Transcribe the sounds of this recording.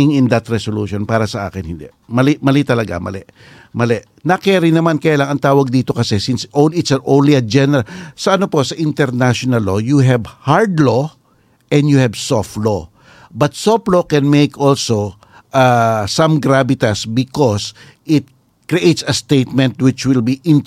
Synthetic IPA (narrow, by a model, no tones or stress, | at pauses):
ɪŋɪ̃nd̪at̪ɾɛsoluːʃonpaːɾɐsɐʔa̰ːkɪnhɪ̰nd̪ɛ | mɐlɪmɐlɛt̪ɐlɐɡa̰mɐ̰lɛ | mɐlɛʔ | nɐkɛɐɾɪnɐmankɐjaːlaŋɐŋt̪aːwɐɡ̚d̪iːt̪o̞kɐsɛsɪnsʔonɪt̪sɐʔõwnliɐd͡ʒɛnɛɾalsɐʔɐnopo̞sɐʔɪnt̪ɛɾnaʃonɐlːo̞juɦɛbhaɹd̪lo | ʔɛ̃nd̪juhɛbsoft̪lo | bɐt̪̚soflokɛnmejkolso | ʔasɐ̃mɡɾabɪt̪ɐsbɪkos | ʔɪt̪̚ | kɾiʔejt̪sɐst̪ejt̪̚mɛ̃nt̪wɪt͡ʃwɪlbiʔɪ̃n